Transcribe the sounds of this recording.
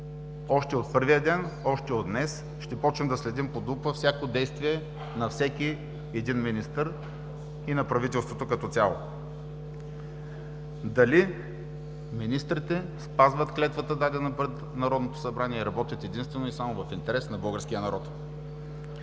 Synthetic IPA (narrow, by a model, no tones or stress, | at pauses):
ɔʃt̪ɛot̪pɤɾvijəd̪ɛnɔʃt̪ɛod̪nɛs | ʃt̪ɛpɔt͡ʃnɛmd̪ɐslɛd̪impod̪upəfsʲjakod̪ɛjst̪viɛ | nɐfsɛkʲi | ɛd̪inminist̪əɾ | inɐpɾɐvit̪ɛlˠst̪vot̪okɐt̪ɔt̪sʲalˠo̰ | d̪ɐli | minist̪ɾit̪ɛ | spazvət̪klɛt̪vət̪əd̪ad̪ɛnɐpɾɛt̪ | nɐɾɔd̪not̪o̥sɐbɾaniɛɾɐbɔt̪ʲjət̪ɛd̪inst̪vɛnoisamovɐfint̪ɛɾɛsnɐbɤlˠɡəɾsk̟ijənɐɾɔt̪